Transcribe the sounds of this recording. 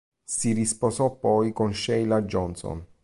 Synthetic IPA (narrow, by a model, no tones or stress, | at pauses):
sirisposɔpːɔjkonʃɛjlad͡ʒɔnsɔ̰n